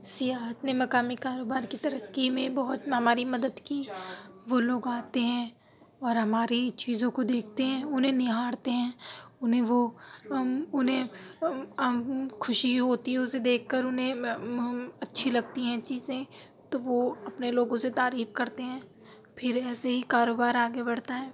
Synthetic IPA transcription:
sɪjaːɦət̪nemɐkaːmikaːɾoːbaːɾkit̪ɐɾəkːimẽbɐɦʊt̪ɦɐmaːɾimɐd̪əd̪kiːʋoloːɡaːt̪eɦɛ̃ | ɔːɾɦɐmaːɾit͡ʃiːzõkod̪eːkʰt̪eɦɛ̃ʊnɦẽnɪɦaːɽt̪eɦɛ̃ːʊnɦẽʋo | ʊnɦẽ | kʰʊʃiɦoːt̪iɦɛʊsed̪eːkʰkəɾʊnɦẽ | ɐtːʃʰilɐɡ̚t̪iɦɛ̃t͡ʃiːzẽ | t̪oʋoɐpneloːɡõset̪aːɾiːfkɐɾt̪eɦɛ̃ː | pʰɪɾɛːseɦikaːɾoːbaːɾaːɡebɐɽt̪aɦɛ̃ː

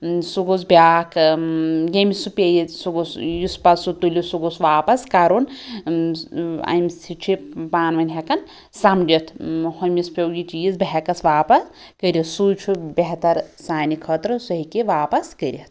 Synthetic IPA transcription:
suɡos̬bjaːk | ɡemisupʲejisuɡosjuspɐsut̪ulʲisuɡosʋaːpɐskaɾon | ɐ̰jmsit͡ʃʰipaːnʋɐnʲɦɐkɐn | sɐmd͡ʒɐt̪ʰhomʲispʲewɡit͡ʃijizbɐɦɛkɐsʋaːpɐs | kəɾʲit̪sujt͡ʃʰubeɦt̪ɐɾsaːnikʰɐt̪ɾɨsuɦikiʋaːpɐskəɾʲɐt̪̚ʰ

